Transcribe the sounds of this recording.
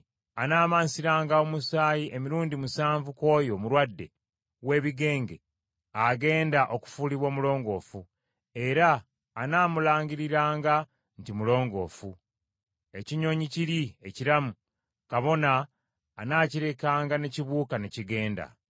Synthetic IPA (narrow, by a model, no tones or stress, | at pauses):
anaːmaːnsiɾaːŋɡaomusaːjiʔe̞miɾuːndimusaːɱvuko̞ːjo̞muɾwadːe̞̰ | we̞ːβiɡe̞ːŋɡe̞ | aɡe̞ːndaʔo̞ku̥fuliβwo̞ːmulo̞ːŋɡo̞ːfu | e̞ɾaː | naːmulaːŋɡiɾiɾaːŋɡa | ntimulo̞ːŋɡo̞̰ːfu | e̞ciɲo̞ːɲiciɾie̞ciɾamu | kaβo̞naː | naːciɾe̞kaːŋɡane̞ciβuːkaneciɡe̞ːnda̰